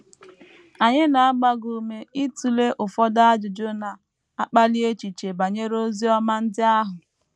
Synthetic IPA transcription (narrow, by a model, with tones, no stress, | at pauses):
a˨ɲɪ˦na˨a˦ɡ͡ba˦ɡu˨me˨i˦tu˨le˦ʔʊ˨fɔ˦da˦a˦d͡ʒʊ˨d͡ʒo˦na˨ | a˦k͡pa˦li˦e˦t͡ʃi˨t͡ʃe˨ba˨ɲe˦ɾo˦zi˦ɔ˦ma˦n̩˦dɪ˦a˦ɦʊ˨